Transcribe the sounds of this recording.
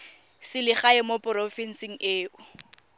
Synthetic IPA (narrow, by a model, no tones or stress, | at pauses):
sɪlɪχaɪmopʼʊɾɔfɛn̩siŋ̩ʔeːʔʊ